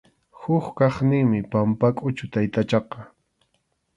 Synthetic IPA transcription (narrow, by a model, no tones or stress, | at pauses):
hʊχkɑχnɪŋmɪpampakʼʊt͡ʃʊt̪ajt̪at͡ʃɑqɑ